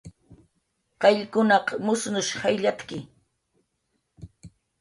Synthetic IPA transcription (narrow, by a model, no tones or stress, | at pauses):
qɑʎkʊnɑqmʊsnʊʃhajʎat̪kɪ